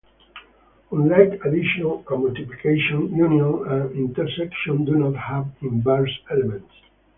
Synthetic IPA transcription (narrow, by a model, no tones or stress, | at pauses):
ɔ̃nlajkad̪iʃɔnaləmɔlt̪iplikʰeʃɔ̃njunijɔ̃nãnĩnt̪ɛɾsɛkʃɔ̃nd̪unɔt̪hævĩnbɛɹsɛlɛmɛ̃nt